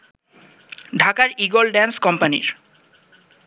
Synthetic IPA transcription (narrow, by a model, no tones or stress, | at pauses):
ɖʱakaɾiɡolɖɛnskɔmpanḭɾ